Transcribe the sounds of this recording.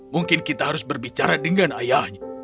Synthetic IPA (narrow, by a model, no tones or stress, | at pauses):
muŋkɪnkit̪aɦaɾʊsbərbit͡ʃaɾadəŋanajahɲa